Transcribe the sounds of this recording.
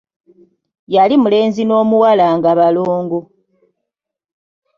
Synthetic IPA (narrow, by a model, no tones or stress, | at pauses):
jalimule̞ːnzino̞ːmuwalaŋɡaβaloːŋɡo